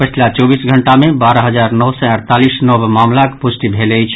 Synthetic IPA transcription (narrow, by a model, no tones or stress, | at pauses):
pət͡ʃʰilat͡ʃɔbisɡʱəɳʈamebaɾəɦəd͡ʒaɾnɔwsɛəɾt̪alisnɔbmamlakpusʈ̪ibʱelɛjt͡ʃʰ